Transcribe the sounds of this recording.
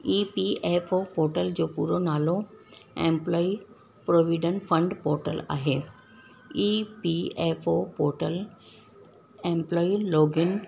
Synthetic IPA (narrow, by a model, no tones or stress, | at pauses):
iːpiefopoːɾʈəld͡ʑoːpṵːɾonaːlõḛ̃mplɔːi | pɾoːʋiɖə̃nfʰə̃ɳɖpoːɾʈəla̰ːɦeː | iːpiefʰopoːɾʈəl | ẽːmplɔːiloːɡɪn